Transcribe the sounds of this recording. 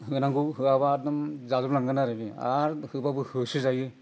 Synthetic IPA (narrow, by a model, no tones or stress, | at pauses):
ɦɯnaŋɡɯɦɯabaɾdɯmzazɔblaŋɡɯnaɾɯbia̰ɾhɯbabɯhɯsɯzajɯ